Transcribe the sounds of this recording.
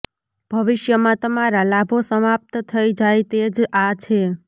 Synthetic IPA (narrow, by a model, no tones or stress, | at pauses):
b̥ʱəʋɪʃjəmãt̪əmaɾalabʱosəmap̚t̪t̪ʰəid͡ʒajt̪ed͡ʒat͡ʃʰe